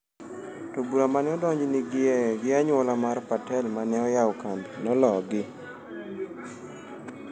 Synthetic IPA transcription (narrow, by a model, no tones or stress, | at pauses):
tɔbuɾamanɛɔdɔɲd͡ʒnɪɡɡɪaɲwɔlamarpatɛlmanɛɔjawkambinɔlɔɡɪ